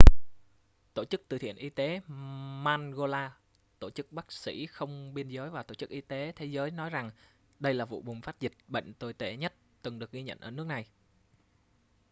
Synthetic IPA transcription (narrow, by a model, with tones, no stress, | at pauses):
t̪o˧˩t͡ɕɨ˦˥k̚t̪ɨ̰˨˩t̪ʰḭ˧˨ənʔi˧t̪e˨˦maː˧nɣo˧laː˧ | t̪o˧˩t͡ɕɨ˦˥k̚ɓaː˦˥k̚sḭ˧˥xə˧wŋ͡mɓi˧ənzəː˨˦jvaː˨˩t̪o˧˩t͡ɕɨ˦˥kʔi˧t̪e˨˦t̪ʰe˨˦zəː˨˦jnɔ˨˦jza˨˩ŋ | ɗə˧jlaː˨˩vṵ˧˨ɓʊ˨˩ŋ͡mfaː˦˥t̚zï˨˩k̚ɓə̰˧˨ŋ̟t̪o˧˩jt̪e˧˩ɲə˦˥t̚ | t̪ɨ˨˩ŋɗɨ˨˩ək̚ɣi˧ɲə̰˧˨nʔəː˧˩nɨ˦˥ək̚na˨˩j